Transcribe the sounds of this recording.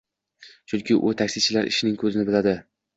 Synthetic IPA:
t͡ʃʰʊŋkʲɪʔʊt̪ʰakʲsɪt͡ʃʰɪlaɾɪ̰ʃɪnɪŋkʰɵzɪnɪbɪlad̪ɪ

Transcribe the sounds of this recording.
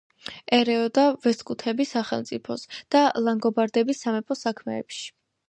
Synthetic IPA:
ɛɾɛɔd̪avɛskʼut̪ʰɛbisaχɛlˠmt̪sʼipʰɔsd̪̥alaŋɡɔbaɾd̪ɛbisːamɛpʰʼɔsakʰmɛ̰ːpʃi̥

